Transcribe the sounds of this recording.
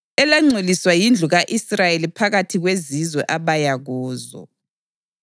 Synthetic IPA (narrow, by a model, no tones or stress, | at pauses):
ɛlaŋ͡ǀʱeliswajind͡ɮʱuɣaʔisrajelipʰaɣatʰiɣwezizwɛʔaβajaɣɔːzɔ̰